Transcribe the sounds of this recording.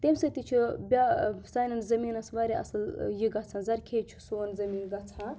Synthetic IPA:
t̪emsɐt̪it͡ʃʰibʲasaːnɐnzɐmiːnɐsʋaːɾʲeʔɐ̰sɨljiɡɐt͡sʰãnzɐɾkʰeːt͡ʃʰu̥soːnzɐmiːnɡɐt͡sʰã

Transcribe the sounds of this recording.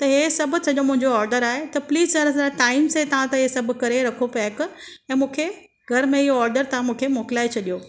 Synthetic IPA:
t̪ɐɦesɐbʱʊ̆sɐʄomʊ̃ɦɪ̃ɲd͡ʑoɔːɾɖəɾaːɦet̪ɐpliːzsɐɾɐsɾaʈaːɪmset̪ɐʋ̤ãt̪ɐɦesɐbʱʊkɐɾeɾɐkʰopɛːkɛ̃ːmũːkʰe | ɡʱɐɾmẽɪɦoɔːɾɖəɾt̪ɐʋ̤ãmũːkʰemoːkɪlaːet͡ɕʰɐɗijoː

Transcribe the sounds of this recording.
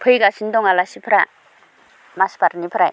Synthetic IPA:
pʰɯjɡasindɔŋalasipʰɾa | maspaɾnipʰɾaj

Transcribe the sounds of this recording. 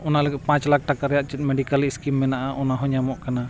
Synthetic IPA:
ɔnaləɡɛt̪̚pãt͡ʃlak̚ʈakaɾɛjaʔt͡ʃɛt̪̚mɛɖikaliskimːɛnaʔaʔɔnaɦɔɲamɔʔkana

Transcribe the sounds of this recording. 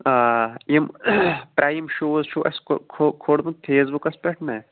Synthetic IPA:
aːimpɾʔaːimʃoːzʃoːʔɐskʰokʰoːɽmut̪ʰeːzbukɐspeʈnɐː

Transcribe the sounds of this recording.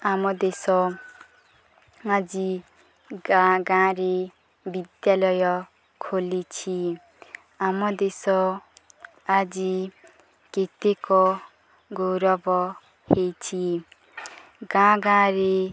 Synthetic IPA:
amɔd̪esɔ | ad͡zi | ɡãɡãɾe | bid̪jalʌjʌ | kʰolit͡sʰi | amɔd̪esɔ | ad͡zi | ket̪ekɔ | ɡowɾʌbɔ | het͡sʰi | ɡãɡãɾe

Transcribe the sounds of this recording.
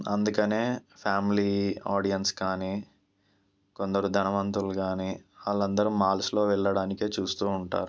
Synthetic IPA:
ɐ̰nd̪ukɐne̞ːpʰaːmiliːaːɽijɐnskaːniː | ko̞nd̪ɐɾud̪ʱɐnɐʋɐnt̪ɾuluɡaːniːaːlːɐnd̪ɐɾumaːlslo̞ːʋɛɭːɐɽaːnikeːt͡ʃuːst̪uːuɳʈa̰ːɾu

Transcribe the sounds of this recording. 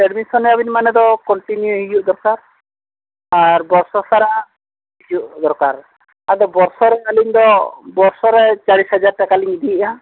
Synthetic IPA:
pɛɾmisɔnɛabinmanɛd̪ɔkɔɳʈinjuɦid͡ʒuʔd̪ɔɾkaɾ | aɾbɔɾsɔsaɾa | id͡ʒuʔd̪ɔɾkaɾ | ad̪ɔbɔɾsɔɾɛkaliɲd̪ɔbɔɾsɔɾɛt͡ʃaɽisɦad͡ʒaɾʈakaliŋid̪ʱiʔa

